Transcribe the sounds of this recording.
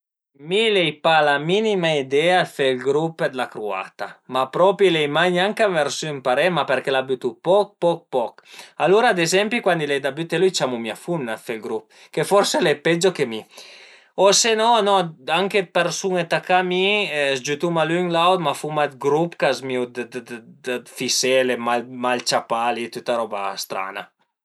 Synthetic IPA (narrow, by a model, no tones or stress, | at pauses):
milɛjpalaminimaid̪ɛafelɡɾuped̪lakɾua̰t̪amapɾɔpilɛjmaɲaŋkaveɾsympaɾɛmapeɾkelabyt̪upɔk̚pɔk̚pɔkaloɾaːd̪ezɛmpikwand̪ilɛjd̪abyt̪elujt͡ʃamumia̰funːafelɡɾup̚ | kefɔɾseleped͡ʒokemi | osenɔnɔaŋkepeɾsuŋet̪akamizd͡ʒyt̪umalyŋlawt̪mafumat̪̚ɡɾupkazmid̪d̪d̪fiselemalmalt͡ʃapalit̪yt̪aɾɔba̰st̪ɾa̰na̰